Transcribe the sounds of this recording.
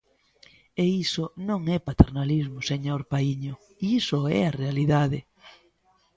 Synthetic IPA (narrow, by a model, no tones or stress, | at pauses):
eisʊnõŋɛpat̪eɾnalizmʊseɲoɾpaiɲʊ | iisoɛ̰arealiðaðe